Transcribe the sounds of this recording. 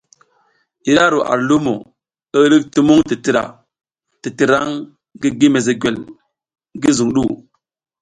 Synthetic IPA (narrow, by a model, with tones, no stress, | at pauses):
i˨ɾa˦ɾo˨ʔa̰˨ɾlu˦mo̰˨ | ə˦ɾi˦kti˦mu˦ŋti˨ti˨ɾa̰˨ | ti˨ti˨ɾa˦ŋ | ɡi˦ɡi˦me˨ze˨ɡʷe˨l | ŋ˦ɡi˦zu˨ŋɗu˦˨